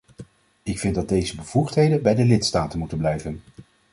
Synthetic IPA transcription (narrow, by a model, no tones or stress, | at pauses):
ɪkfɪndɑd̚ejzəbəv̥uχtɦejdənbɛjdəlɪtstaːtənmutənblɛjvən